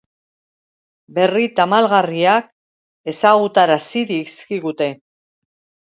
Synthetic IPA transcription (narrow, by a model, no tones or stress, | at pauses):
be̞rit̪amalɣariak̚ | e̞saɣut̪aɾasiɾiskiɣut̪e̞